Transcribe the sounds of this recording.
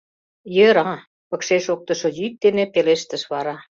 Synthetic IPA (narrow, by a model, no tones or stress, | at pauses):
jəɾɑ | pɤ̆kʃeʃok̚t̪ɤ̆ʃŏjyt̪̚d̪enĕpeleʃt̪ə̆ʃβɑɾɑ